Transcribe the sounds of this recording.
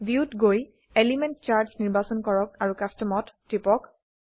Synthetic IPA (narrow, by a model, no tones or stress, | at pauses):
bʱjiutɡoj | eliment̚t͡ʃaɹdsniɹbasɔnkɔɹɔk̚aɹukastɔmɔttːipɔk